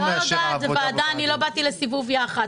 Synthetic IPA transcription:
edadveadaanilo̞batilesivuvjaχad

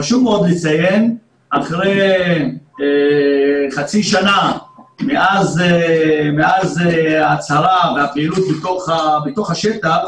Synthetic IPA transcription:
aʃumeo̞d̪let͡sajen | ʔaχʁej | χat͡siʃanameʔazemeazat͡saʁaveapilut̪bet̪oχabet̪o̞χhaʃetaχ

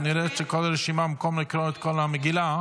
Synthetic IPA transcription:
niɾɛtʃɛkɔlaɾɛʃimamakɔmlɪkɾɔɛt̪kɔlaməɡila

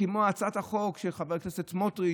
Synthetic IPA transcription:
imoat͡sat̪haχokʃeχaveknesetmotʁi

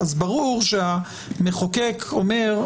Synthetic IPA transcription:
azbaʁuʁʃea | meχokekʰome̞ʁ

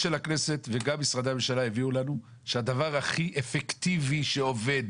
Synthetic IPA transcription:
ʃe̞lakne̞se̞t̪veɡamisʁad̪amemʃalaeviulanu | ʃead̪avaʁaχiʔefekt̪iviʃe̞o̞ve̞d̪

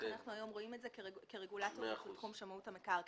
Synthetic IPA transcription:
anaχnuajo̞mʁo̞imetzekeekeʁeɡulatotχumʃamauthamekaʁ

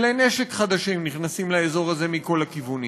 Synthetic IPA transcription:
lene̞ʃe̞kχad̪aʃimniχnasimlaezo̞ʁaze̞miko̞lhakivuni

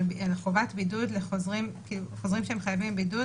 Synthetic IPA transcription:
balχovatbidudleχozʁimkiluχozʁimʃeemχajavimbidu

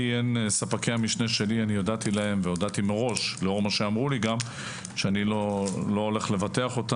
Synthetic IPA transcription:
iensapakejamiʃneʃe̞lianijod̪at̪ilahe̞mvejod̪at̪imeʁo̞ʃleo̞ʁmaʃeamʁuliɡam | ʃeanilolo̞ole̞χle̞vat̪eaχo̞t̪a

